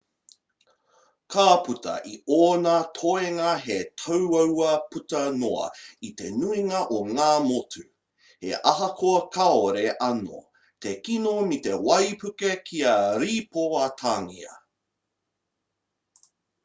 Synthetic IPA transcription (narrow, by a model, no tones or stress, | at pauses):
kʰaːpʉtɐ̰ʔioːnatʰoeŋɐɦetʰɐwɐwɐpʉtɐnoɐ̰it̪e̞̰nuiŋɐʔoŋaːmotʰʉ | hḛʔɐɦɐkʰoɐkʰɐoɾeʔɐno̰ | t̪ekinomit̪e̞wɐjpʰʉkekʰiɐɾiːpoɐt̪ʰaːŋḭɐ̰